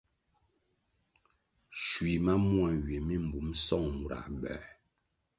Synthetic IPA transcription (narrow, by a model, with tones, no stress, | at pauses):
ʃwi˨ma˦mwa˨ɥe˨mi˦m̩˨bu˨˦msɔ˦˨ŋmu˨ɾa̰˨bɛ̰˨